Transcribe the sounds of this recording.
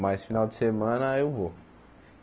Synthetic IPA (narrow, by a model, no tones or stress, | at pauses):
majsfinawd͡ʒɪsemɐ̃nɐewvo